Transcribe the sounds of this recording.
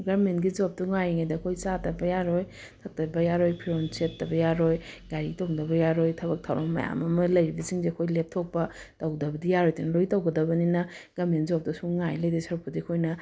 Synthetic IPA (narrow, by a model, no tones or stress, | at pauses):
ɡaɾmentɡizop̚tuŋajŋajdɐkʰojt͡ʃatɐbɐjaɾoj | tʰɐk̚tɐbɐjaɾojpʰiɾont͡ʃetːɐbɐjaɾojɡajɾik̚toŋdɐbɐjaɾojtʰɐbɐk̚tʰawɾammːɐ̰ja̰mɐmɐlɐjɾibɐsiŋzeɐkʰojlep̚tʰok̚pɐtɐwɡdɐbɐdijaɾojtonɐlojtawɡɐdɐbɐninɐɡ̥aɾmentzop̚tɐsuŋajlɐjdisɐɾupːɐdikʰojnɐ